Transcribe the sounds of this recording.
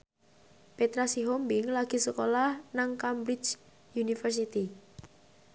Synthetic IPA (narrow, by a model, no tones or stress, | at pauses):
pet̪ɾasiɦombɪŋlaɡ̥i̤səkolahnaŋkambɾit͡ʃ | junifərs̬it̪i